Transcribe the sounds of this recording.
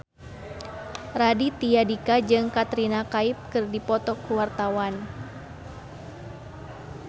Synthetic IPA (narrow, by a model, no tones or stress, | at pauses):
radit̪ijadikad͡ʒɨŋkat̪ɾinakaip̚kɨrdipɔt̪ɔkːuwart̪awan